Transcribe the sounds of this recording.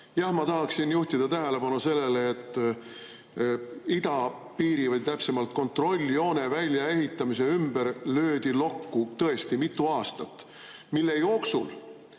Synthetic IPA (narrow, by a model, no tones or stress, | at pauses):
jɑhmɑt̪ɑɦɑksinjuht̪id̪̥ɑt̪æɦe̞le̞pɑnuse̞lːeleːt̪ːˑ | id̪̥ɑ | piːɾivəjt̪æpse̞mɑlt̪̚ko̞nt̪ro̞lʲːio̞ːnevælʲjɑe̞ɦit̪ːˑɑmise̞ymbeɾlø̞ːd̪̥ilo̞kːut̪ɤe̞st̪imit̪ːˑuɑːst̪ɑt̪ːˑ | milːe̞jo̞ːksṵl